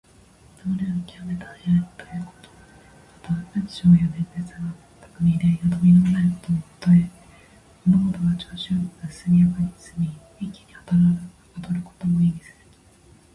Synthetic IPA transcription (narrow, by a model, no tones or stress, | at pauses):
d̪oɾeikʲiɾame̞t̪ajaɯt̪o̥jɯ̟ːko̞̥t̪o̥ | mat̪aaɕoːjonẽndet͡sɨɡa | t̪o̥kɯɲʲid̪ejat̪omʲinamanaɾɯko̥t̪omot̪oe | monoɡot̪oɡat͡ɕoːɕoɡ̪asɨmʲijakɯɲʲisɨmʲi | ikʲːi̥ɲ̟ihat̪aɾ | at̪oɾɯ̟ko̥t̪o̞moimʲisɨ̥ɾɯ̥